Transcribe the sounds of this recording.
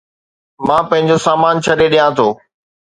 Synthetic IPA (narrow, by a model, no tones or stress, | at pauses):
mãːpɐ̃ɦɪ̃ɲd͡ʑosaːmaːnt͡ɕʰɐɗeɗijãt̪ʰoː